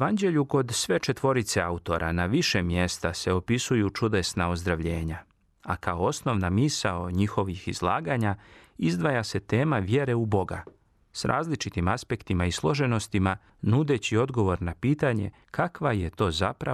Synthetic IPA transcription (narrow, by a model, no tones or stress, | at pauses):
ʋand͡ʑe̞ʎuko̞d̪sʋe̞t͡ʃe̞t̪ʋo̞ɾit̪se̞aut̪o̞ɾʔa̰naʋiʃe̞mje̞st̪ase̞o̞pisujut͡ʃud̪e̞snao̞zd̪ɾaʋʎe̞ːɲa | akaoosno̞ʋnamisaoɲixo̞ʋixizlˠaːɡaɲa | izd̪ʋajase̞t̪e̞ːmaʋje̞ɾe̞ubo̞ɡa̰ | sɾʔa̰ːzlit͡ʃit̪imaspe̞kt̪imaislˠo̞ʒe̞no̞st̪ima | nud̪e̞t͡ɕio̞d̪ɡo̞ʋo̞ɾnapiːt̪aɲe̞̰ | kʰakʋaje̞t̪o̞ːza̰pɾa